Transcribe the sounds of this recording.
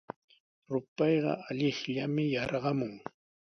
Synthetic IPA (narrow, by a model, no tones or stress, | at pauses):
ɾʊpɑjɢɑ̰aʎɪχʎamɪjɑɾɢɑmʊŋ